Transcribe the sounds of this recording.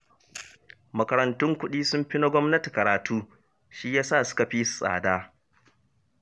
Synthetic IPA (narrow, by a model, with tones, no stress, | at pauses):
mɐ˨kɐ˨ɾɐ˨ntʊ˦ŋkʷʊ˦ɗiː˦sʊ˦mɸɪ˦na˦ɡʷɔ˦mnɐ˦ti˨kɐ˨ɾaː˨tʰuː˦ | ʃi˦jaː˦saː˦˨sʊ̥˦ka˨ɸiː˦su̥˨sʼa̰ː˨daː˦